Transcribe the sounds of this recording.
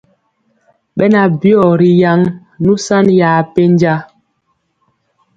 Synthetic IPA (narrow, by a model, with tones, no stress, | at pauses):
ɓɛ˦na˨bjɔ˦˨ɾi˨ja˦ŋ | nu˦sa˦nja˨pe˦nd͡ʒa˦